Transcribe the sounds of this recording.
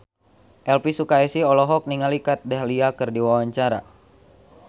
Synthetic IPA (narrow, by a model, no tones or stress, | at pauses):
ʔɛlpisukaɛsiɔlɔɦɔk̚niŋalikat̪̚dɛɦliakɨrdiwawaɲt͡ʃaɾa̰